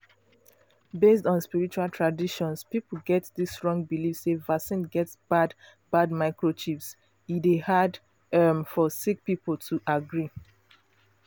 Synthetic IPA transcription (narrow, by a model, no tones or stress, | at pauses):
bestɔ̃nspiɹit͡ʃualˠtʰɹadiʃɔ̃nspipəɡɛtðisɹɔ̃ŋbilifsevasĩnɡɛtsb̥ad | badmaɪkɹot͡ʃips | idehad | ʌmfɔsik̚pipl̩tʰuʔaɡɹi